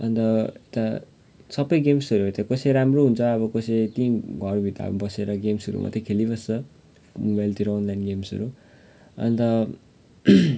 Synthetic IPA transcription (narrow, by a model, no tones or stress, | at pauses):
ʌ̰nt̪ʌet̪a | sʌbʌjɡemsʌɾuɦʌt̪akʌseɾamroɦunt͡sʰʌːβʌkʌset̪iɡʱʌrbʱit̪a̰bʌseɾʌɡemsʌɾṵmʔʌ̰t̪ekʰelibʌst͡sʌ | mobajlt̪iɾawnlajnɡemsʌ̰ɾu | ʌ̰nt̪ʌ